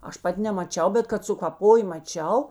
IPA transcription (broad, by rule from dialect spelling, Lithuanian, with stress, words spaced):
ˈɐʃ ˈpɐtʲ nʲɛmɐˈt͡ʃʲɛʊ ˈbʲɛt kɐt sʊkɐˈpoːj mɐˈt͡ʃʲɛʊ